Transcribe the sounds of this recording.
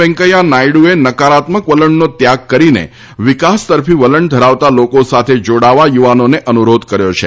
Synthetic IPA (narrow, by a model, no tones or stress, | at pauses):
ɛ̃ŋkəjanajɽuenəkaɾat̪məkʋələɳnot̪jaɡ̚kəɾinḛ | ʋikast̪əɾpiʋələɳd̪ʱəɾaʋt̪alokosat̪ʰed͡ʒoɽaʋajuʋanoneʔənuɾod̪kəɾjot͡ʃʰe